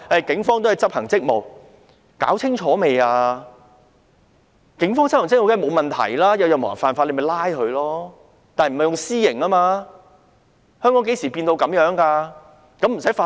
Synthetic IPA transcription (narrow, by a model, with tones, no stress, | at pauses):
ɐ˨˩jkɪ˨˥ŋfɔː˥ŋt̪o˥hɐ˨jt͡sɐ˥p̚hɐ˨˩ŋt͡sɪ˥k̚mo˨˩w | ka̰ː˨˥wt͡sʰɪ˥ŋt͡ʃʰɔː˨˥me˨jaː˧ | kɪ˨˥ŋfɔː˥ŋt͡sɐ˥p̚hŋt͡sɪ˥k̚o˨wk̪ʰːmo˨˧wmɐ˨nt̪ʰɐ̰˨˩jlaː˥jɐ˨˧wjɐ˨wmː˨˩ɐ̰˨˩ŋfaː˨˧nfaː˧le˨˧jmɐ˨˩jlaː˥jkɵ˨˧ɥlɔː˥ | t̪aː˨nhm̩˨˩hɐ˨jʊ˨ŋsiː˥jɪ˨˩ŋaː˥maː˧ | hœː˥ŋkɔ˨˥ŋke˨˥jsiː˨˩piː˧nt̪o˧wkɐ˨˥mjœː˨˥ŋkaː˧ | kɐ˨˥m̩˨˩sɐ˨˥jfaː˧